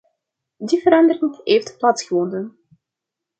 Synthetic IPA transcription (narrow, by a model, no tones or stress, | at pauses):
divəɾɑndəɾɪŋɦejftplaːtsxəvɔndən